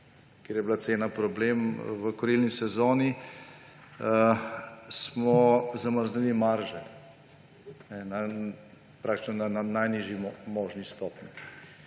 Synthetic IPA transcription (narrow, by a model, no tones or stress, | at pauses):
kjeːɾjɛbilat̪seːnapɾɔbleːmʋəkɔɾilnisɛzoːni | smɔzaməɾznilimaɾʒɛ | nɛna | pɾak̚t̪i̥t͡ʃnɔnananajniːʒimɔːʒnist̪ɔːpni